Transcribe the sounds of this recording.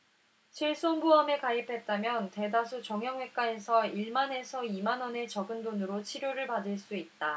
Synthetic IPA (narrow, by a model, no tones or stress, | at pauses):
t͡ɕʰiɭs͈onbuʌmekaipʰe̞t̚t͈amjʌnte̞dasʰut͡ɕʌŋɦjʌŋwe̞k͈ae̞sʰʌiɭmane̞sʰʌimanʌne̞t͡ɕʌɡɯndonɯɾot͡ɕʰiɾjoɾɯɭpadɯɭs͈uit̚t͈a